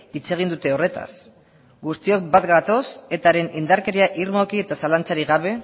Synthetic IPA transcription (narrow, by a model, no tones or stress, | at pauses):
it͡se̞ɣ̞ind̪ut̪e̞o̞re̞t̪a̰s | ɡust̪io̞k̚bat̪ɡat̪o̞se̞t̪aɾe̞nind̪aɾke̞ɾiaʔirmo̞kie̞t̪asalant͡saɾiɣaβ̞e̞